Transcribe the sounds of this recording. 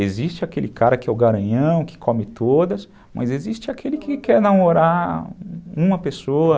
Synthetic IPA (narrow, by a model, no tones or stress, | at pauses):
ezist͡ʃɪakelɪkaɾɐkɪɛʊɡaɾɐ̃ɲɐ̃w̃kɪ̥kʰõmɪt̪od̪ɐs | mʔɐ̰zezist͡ʃɪakʰelɪkɪkɛɾnɐ̃w̃oɾa | ũmɐpesoɐ